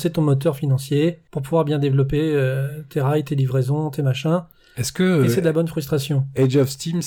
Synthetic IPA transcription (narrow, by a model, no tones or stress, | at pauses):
set̪ɔ̃mɔt̪œʁfinɑ̃sjepuʁpuvwaʁbjɛ̃d̪evlɔpeøt̪ʰeʁajt̪elivʁezɔ̃t̪emaʃɛ̃ | ɛskəsɛd̪əlabɔnfχyst̪χasjɔ̃ɛd͡ʒɔfst̪im